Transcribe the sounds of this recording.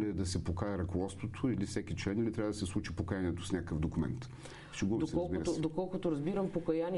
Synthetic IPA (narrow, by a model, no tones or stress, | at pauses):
lɛd̪ɐsɛpokaɛɾɐkovˠɔst̪vot̪ʰoilifsɛkʲit͡ʃlɛnilit̪ɾʲavəd̪ɐsɛslˠut͡ʃipokɐjanʲiɛt̪o̥snʲakəkəfd̪okumɛ̰nt̪ | ʃɛɡubmd̪osɛɾɔlˠbiɾt̪od̪okɔlˠkʊt̪oɾɐzbiɾəmpokɐjanʲi